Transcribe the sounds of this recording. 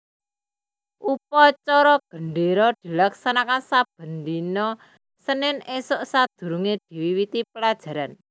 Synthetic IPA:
ʔupɔt͡ʃɔɾɔɡ̥ə̤ɳɖeɾɔd̪̥i̤laksanakansab̥ə̤nd̪inɔ | sənɪnesʊʔsad̪̥ṳɾuŋed̪̥i̤wiwit̪ipəlad̥ʒ̥a̤ɾan

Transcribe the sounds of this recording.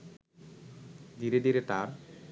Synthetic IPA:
d̪iɾed̪iɾet̪aɾ

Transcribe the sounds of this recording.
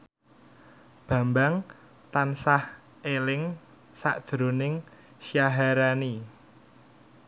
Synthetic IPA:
b̥ä̤mbaŋ | t̪ansah | elɪŋ | sa̰ʔd̥ʒ̥ɾonɪŋ | ʃjaɦaɾani

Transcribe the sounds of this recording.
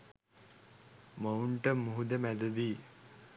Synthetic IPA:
məuɳʈəmuɦud̪əmæd̪əd̪iː

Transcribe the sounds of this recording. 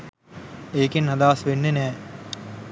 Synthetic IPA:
eːkinɦɐd̪aːsʋenːenɛː

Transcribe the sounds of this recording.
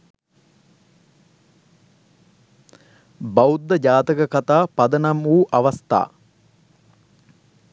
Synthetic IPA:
baud̪ːəd͡ʒaːt̪əkəkat̪aːpɐd̪ənamuːʔɐʋɐst̪a̰ː

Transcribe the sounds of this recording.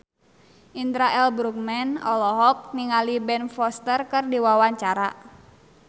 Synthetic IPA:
ʔind̪ɾaʔɛlbɾukmɛnɔlɔɦɔk̚niŋalibɛnfɔst̪ərkɨrdiwawaɲt͡ʃaɾa

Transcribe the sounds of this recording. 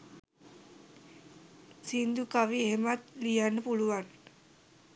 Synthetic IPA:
sind̪ukaʋieɦemat̪lijanːəpuluʋan

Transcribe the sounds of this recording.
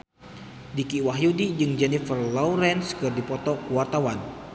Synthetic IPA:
dikiwaɦjudid͡ʒɨŋd͡ʒɛnifərlɔuɾɛnskɨrdipɔt̪ɔkuwart̪awan

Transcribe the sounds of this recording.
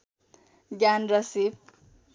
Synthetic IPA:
ɡjanrʌsib̚

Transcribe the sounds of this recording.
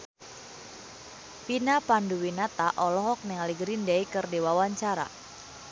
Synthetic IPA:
pinapanduwinat̪aʔɔlɔɦɔk̚nɛŋaliɡɾindɛikərdewawaɲt͡ʃaɾa̰

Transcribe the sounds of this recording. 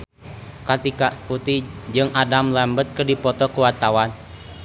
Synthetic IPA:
kat̪ikaput̪id͡ʒɨŋadamlambət̪̚kərdipɔt̪ɔkəwat̪awan

